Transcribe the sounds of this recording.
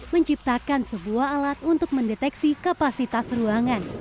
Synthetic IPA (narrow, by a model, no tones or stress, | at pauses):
məɲt͡ʃip̚t̪akansəbuahalat̪̚unt̪ʊk̚məndɛt̪ɛksikapasit̪asruaŋan